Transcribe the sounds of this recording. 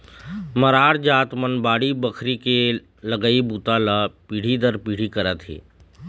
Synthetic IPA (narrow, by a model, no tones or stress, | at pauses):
məɾaːɽd͡ʒaːt̪mənbaːɽibəkʰɾike | ləɡəibuːt̪alapiːɽ̤id̪əɾpiːɽ̤ikɐɾat̪ɦḛː